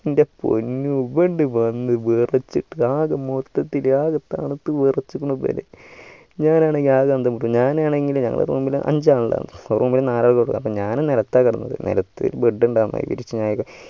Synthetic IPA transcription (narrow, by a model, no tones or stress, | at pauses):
indepo̰nːubeɳɖɨʋɐnːɨʋerɐt͡ɕːiʈːɨaːɣɐmot̪ːɐt̪ːilaːɣɐt̪ːa̰ːɳɨt̪ːɨʋɨrɐt͡ɕːukːuɳːupo̰ːlḛ | ɲaːnaːɳe̞ŋɡilaːɣɐɐnd̪ɐmuʈːuɲaːnaːɳe̞ŋɡilmɲɐ̰ŋːɐ̰ɭḛruːmbilʔɐ̰ɲd͡ʑaːɖa̰ːnɨrʔuːmbilnaːlaːɭkoɽukːɐ̰nɐpːoːɲaːnɨniɾɐt̪ːaːkːɐɽɐnːɐ̰ðɨ̰nḭɾɐt̪ːɨ̰lbeɖːuɳɖaːnːa̰ḭʋḭɾit͡ɕːɨɲaːjikːɐ